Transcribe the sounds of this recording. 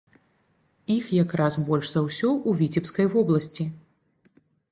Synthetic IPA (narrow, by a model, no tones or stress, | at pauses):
ixjakɾasbɔlʲʂzɐwsʲɔʔuvʲit͡sʲɛpskɐjvɔblˠɐsʲt͡sʲi